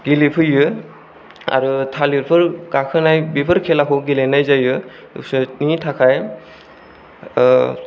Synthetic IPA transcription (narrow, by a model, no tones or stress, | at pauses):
ɡilipʰɯjɯ | a̰ɾutʰaliɾpʰɯɾɡakʰɯnajbipʰɯɾkʰɛlakʰuɡilenajzajɯ̰ | snitʰakʰaj